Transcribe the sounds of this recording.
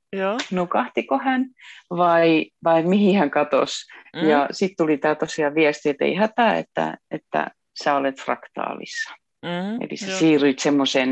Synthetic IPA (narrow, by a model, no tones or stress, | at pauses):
jonokɑht̪ikohænʋɑiʋɑimihihæŋkɑt̪o̰sjɑsit̪t̪ulit̪æːt̪osiɑʋiæst̪iet̪ḛihæt̪æḛt̪ːæ̰ḛt̪ːæ̰ | sæːolet̪frɑ̰kt̪ɑ̰ːlḭsːɑ̥ | ḛlḭsæsiːryit̪semːosen